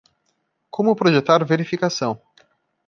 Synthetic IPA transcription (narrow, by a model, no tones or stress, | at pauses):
kʰõmʊpɾoʒet̪aɾveɾifikasɐ̃w̃